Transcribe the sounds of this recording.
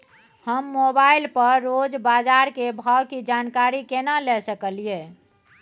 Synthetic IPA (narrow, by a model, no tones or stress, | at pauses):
həmːobailpəɾːod͡ʒbad͡ʒaɾkebʱawkid͡ʒankaɾikenalɛsəkəlie